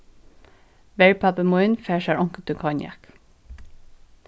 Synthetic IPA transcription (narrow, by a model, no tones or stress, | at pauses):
ʋɛɹpʰæpəmɔɪnfæːʃæɹʔɔŋkət̪ʰʉkʰɑnjæ̰k